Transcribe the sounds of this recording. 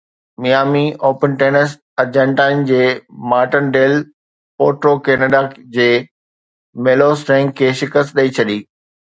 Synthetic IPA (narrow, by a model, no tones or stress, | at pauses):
mijaːmiʔoːpənʈeːnəs | ɐɾd͡ʑə̃ɳʈaːɪnd͡ʑeːmaːɾʈənɖeːl | poːɾʈɾokeːnəɖad͡ʑeː | meːlosʈɛ̃ŋɡkʰeːʃɪkəst̪ɗɐit͡ɕʰɐɗiː